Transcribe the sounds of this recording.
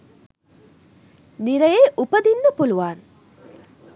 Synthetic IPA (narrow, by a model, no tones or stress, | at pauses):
nɪɾɐjeʔʊpɐðinːɐpʊlʊʋaːn